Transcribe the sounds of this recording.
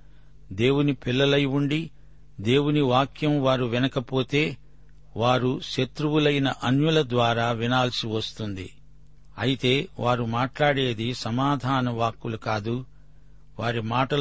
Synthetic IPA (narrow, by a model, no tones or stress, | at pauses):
d̪e̞ːwunipilːɐlɐjuɳɖi | d̪e̞ːwuniʋaːkjɐmʋaːɾuʋinɐkɐpo̞ːt̪e̞ː | ʋaːɾuʃet̪ɾuwulɐjnɐʔɐnjulɐd̪ʋaːɾaːʋinaːlsiʋɐst̪und̪ḭ | ɐjit̪e̞ːʋaːɾumaːʈlaːɽe̞ːd̪isɐmaːd̪ʱaːnɐʋaːkːulukaːd̪u | ʋaːɾimaːʈɐ